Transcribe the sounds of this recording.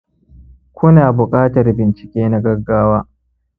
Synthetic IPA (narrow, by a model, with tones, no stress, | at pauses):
kʷʊ˦naː˨bʊ˨kʼaː˦tɐ˨rbɪ˨nt͡ʃɪ̥˨kʲeː˦na˦ɡɐ˦ɡːaː˦waː˦